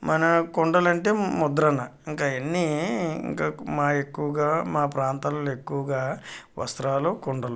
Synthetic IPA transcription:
mɐnɐkoɳɖɐlɐɳʈe̞ːmɔd̪ɾɐnɐiŋkaːenːiḭŋkaːmaːekːuʋɐɡaːmaːpɾaːnt̪aːlle̞kːuʋɐɡaːʋɐ̰st̪ɾaːlukoɳɖɐlu

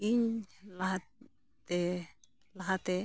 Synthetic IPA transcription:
iɲlaɦa | t̪ɛ | laɦat̪ɛ

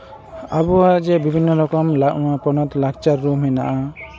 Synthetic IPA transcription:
abuad͡ʒɛbibʱinːɔɾɔkɔmlaʔwapɔnɔt̪lak̚t͡ʃaɾːumɦɛna̰ʔa

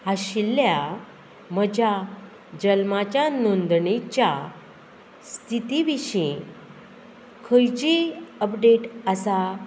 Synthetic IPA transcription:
aɕilːja | məd͡ʑʱa | d͡ʑəlmat͡ɕjanond̪ɳet͡ɕja | st̪ʰit̪iʋiɕĩ | kʰəjt͡ɕiəpɖeʈəsa

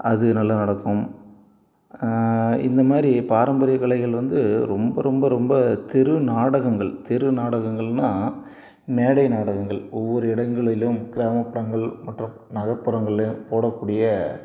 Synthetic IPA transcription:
ɐðɯnɐlːɐnɐɽɐkːɯm | ɪ̰nd̪ɐmaːd̪ɾipaːɾɐmbɐɾɪjɐkɐɭɐɪɣɐɭʋɐnd̪ɯɾɔmbɐɾɔmbɐɾɔmbɐt̪ɪɾɯnaːɽɐɣɐŋɡɐɭt̪ɪɾɯnaːɽɐɣɐŋɡɐɭnaː | meːɽɐɪnaːɽɐɣɐŋɡɐɭɔʋːɔɾɯɪɽɐŋɡɐɭɪlɯmɡɪɾaːmɐpːɪɾɐŋɡɐɭmɐʈːrʊm | nɐɣɐpːɯɾɐŋɡɐɭɪlɐmpoːɽɐkːuːɽɪjɐ

